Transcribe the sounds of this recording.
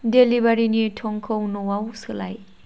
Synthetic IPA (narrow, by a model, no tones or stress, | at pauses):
delibaɾinitʰɔŋkʰownɔwawsɯla̰j